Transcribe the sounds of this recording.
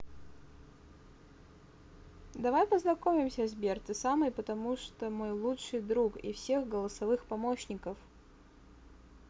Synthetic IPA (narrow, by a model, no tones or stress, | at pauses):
d̪ɐvajpəznɐkomʲɪmsʲəzʲbʲert̪ɨsamɨjpət̪ɐmuʂt̪omo̞jlˠutʂɨjd̪ɾukḭfsʲe̞ɣɡəlˠəsɐvɨxpɐmo̞ɕnʲɪkəf